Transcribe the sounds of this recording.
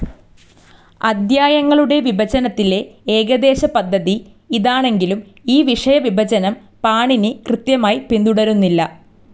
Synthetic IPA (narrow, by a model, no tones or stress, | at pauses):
ɐd̪jaːjɐŋːɐɭuɽe̞ʋibɐd͡ʑɐnɐt̪ːile̞eːɡɐd̪e̞ːɕɐpɐd̪ʱːɐði | iðaːɳe̞ŋɡilum | iːʋiʂɐjɐʋibɐd͡ʑɐnɐm | paːɳinɨkrɨt̪jɐmaːjipind̪uɽɐɾunːilːɐ̰